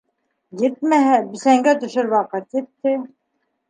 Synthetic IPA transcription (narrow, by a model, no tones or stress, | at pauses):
jet̪̚mæɦæbɘ̆sæŋɡæt̪ɵ̆ʃɘɾwɑqɤt̪jet̪ːɘ